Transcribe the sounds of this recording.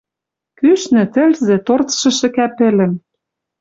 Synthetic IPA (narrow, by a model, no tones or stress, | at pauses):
kyʃnɘ̆t̪ɘ̆lzĕt̪ort͡sʃɤ̆ʃɘ̆kæpɘ̆lɘ̆m